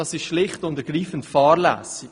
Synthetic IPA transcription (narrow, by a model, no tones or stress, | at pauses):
ɑsɪʃʃlɪχtʊntəɾɡ̥ɾiːfən̩tfɑːɾlæ̰ːsɪ